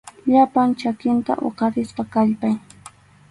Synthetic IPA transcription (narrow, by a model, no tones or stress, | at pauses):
ʎapant͡ʃakɪnt̪a̰ʔo̰qɑɾɪspɑkaʎpaj